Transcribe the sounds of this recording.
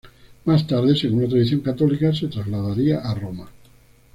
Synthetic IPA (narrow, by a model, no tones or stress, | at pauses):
mast̪aɾðeseŋunat̪ɾaðiθjoŋkat̪olikaset̪ɾazlaðaɾiaʔaroma